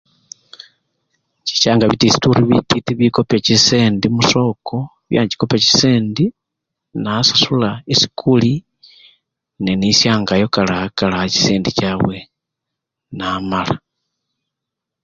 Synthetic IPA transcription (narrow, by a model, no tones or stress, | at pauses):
t͡ʃi̥ʃaːŋɡaβitisi̥tuɾiβititiβikopeciseːndimuso̞ːko | βja̰ɲɟi̥kopeci̥seːndi | nasasulaesi̥kuli | nenisjaːŋɡajo̞kalahakalahaci̥seːndicawe | namala